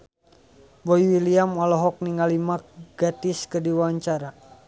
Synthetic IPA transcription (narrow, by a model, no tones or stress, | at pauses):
bɔiwiliamɔlɔɦɔk̚niŋalimakɡ̥at̪iskərdiwaɲt͡ʃaɾa